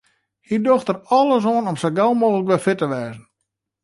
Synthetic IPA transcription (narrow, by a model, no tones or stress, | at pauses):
hidoxtərɔlˠəs̬oənɔmsɔɡɛlˠmoːɣələkʋɛfɪtəʋɛːzən̩